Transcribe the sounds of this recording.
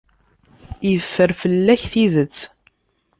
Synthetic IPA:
ijəfːəɾfəlːæçθiðət͡sː

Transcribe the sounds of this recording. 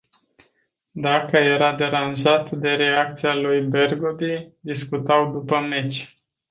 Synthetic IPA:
d̪akəje̞ɾad̪e̞ɾanʒat̪d̪e̞ɾe̞ak̚t̪sialujbe̞rɡod̪id̪iskut̪awd̪upəmet͡ʃʲ

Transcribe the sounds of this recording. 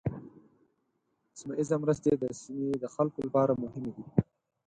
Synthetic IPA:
smaʔizamɾəst̪ed̪əsɪmed̪əxalkolapɑɾamʊɦɪmed̪i

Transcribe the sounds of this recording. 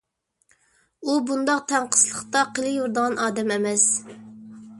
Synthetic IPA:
ubund̪ɑq̚t̪ʰɛɴqʰə̥slˠəχt̪ɑqʰəlˠɪjuɾd̪əʁɑnʔɑːd̪ɛmɛmɛs

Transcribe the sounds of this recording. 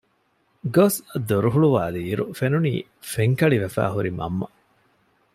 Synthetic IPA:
ɡosd̪oɾuɦuɭuʋaːd̪iːɾufenunḭː | feŋkɐɭiʋɐfæ̰ːɦuɾimɐ̰mːɐ

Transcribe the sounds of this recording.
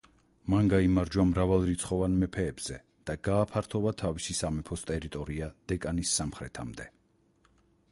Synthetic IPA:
manɡaimaɾd͡ʒwamɾavalˠɾit̪sʰχɔvanmɛpʰɛːbz̥ɛ | d̪̥aɡ̥aːpʰaɾt̪ʰɔvat̪ʰavisisamɛpʰɔst̪ʼɛɾit̪ʼɔɾiad̪̥ɛkʼanisːamχɾɛt̪ʰamd̪ɛ

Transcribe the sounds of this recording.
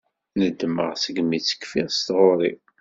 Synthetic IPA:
nəd̪ːməʁsəɡmit͡sːə̥kfiʁst̪ʁoɾˤḭ

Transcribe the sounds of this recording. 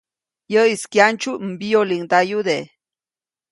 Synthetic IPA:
jəiskjant͡ʃumbijoliŋd̪ajud̪e

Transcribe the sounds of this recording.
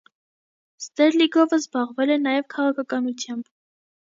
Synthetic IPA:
st̪ɛɾliɡɔvəzbɑʁvɛlɛnɑjɛvkʰɑʁɑkʰɑkɑnut͡sʰjɑmb

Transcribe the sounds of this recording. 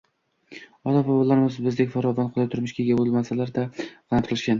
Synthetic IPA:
ɒlapabɒlːaɾɪmɪzbɪzd̪ekʲfaɾɒvanqʰolˠaj̚t̪ʰʊɾmɪʃkʲeɡʲabolmasalaɾd̪ḁant̪ʰɾlˠɪʃkʲan

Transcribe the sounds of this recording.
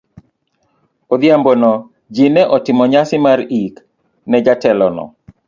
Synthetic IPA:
od̪jambonɔ | d͡ʒinɛʔɔtɪmɔɲasɪmaɾik | nɛd͡ʒatɛlɔnɔ̰

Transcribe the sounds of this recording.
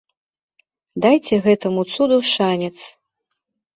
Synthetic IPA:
d̪ajt͡sʲɛɣɛt̪ɐmut̪sud̪uʂanʲɛt̪s

